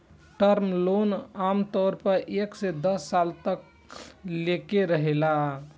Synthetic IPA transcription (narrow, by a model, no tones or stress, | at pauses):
ʈəɾmlonamt̪ɔɾpəɾʔeksed̪əsːalt̪ək̚ | lekeɾəɦela